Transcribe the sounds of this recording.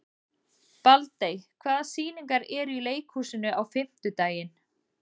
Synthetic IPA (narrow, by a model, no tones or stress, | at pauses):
palt̪ejkʰvaːðasiːniŋkaɾɛɾileːjkhuːsɪnʏʔawfɪm̥t̪ʏt̪aːjɪn